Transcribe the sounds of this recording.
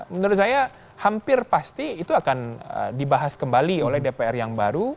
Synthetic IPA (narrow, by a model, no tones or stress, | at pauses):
mənuɾʊt̪saja | hampɪrpast̪iːt̪uakanə̰dibaɦaskəmbaliolɛhdepeɛrjaŋbaɾu